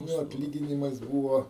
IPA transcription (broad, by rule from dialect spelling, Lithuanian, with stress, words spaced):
ˈnʊ ɐtʲˈlʲiːɡʲɪnʲɪmɐs ˈbuːʋoː